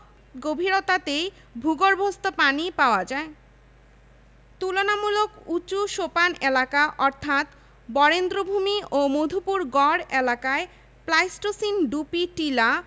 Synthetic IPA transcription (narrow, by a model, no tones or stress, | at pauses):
ɡobʱiɾot̪at̪e | bʱuɡoɾbʱost̪opanipaoad͡ʑae | t̪ulonamulokut͡ɕuʃopanelakaʔɔɾt̪ʰat̪ | bɔɾend̪ɾobʱumiʔomod̪ʱupuɾɡɔɾelakae | plajsʈosinɖupiʈila